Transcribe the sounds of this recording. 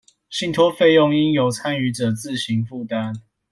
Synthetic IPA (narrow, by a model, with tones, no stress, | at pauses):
ɕi˥˨nt̪ʰwɔ˦fe˥˧ɪjɔ˥˨ŋi˦˥njo˨˦ʊt͡sʰa˦ny˧˥ʈ͡ʂɤ˨˩t͡sɹ̩˥˨ɕi˨˦ŋfu˥˨t̪a˦n